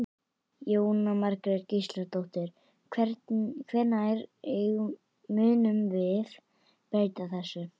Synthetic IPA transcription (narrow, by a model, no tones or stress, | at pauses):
joːwnamaɾkɾɪɾcist̪laɾt̪owht̪ɪɾ̥ | kʰvɛɾt̪kʰvɛɾnajɾeɣ | mʏːnʏmvɪθ | pɛɾt̪aθɛsːʏ